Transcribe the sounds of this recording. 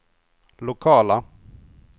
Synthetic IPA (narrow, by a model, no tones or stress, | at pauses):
lʊkʰɑːla